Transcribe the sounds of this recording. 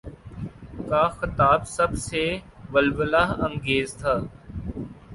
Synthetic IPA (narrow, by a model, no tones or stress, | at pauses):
kaːxɪt̪aːbsəbseʋəlʋəlaːɦə̃ŋɡeːzt̪ʰaː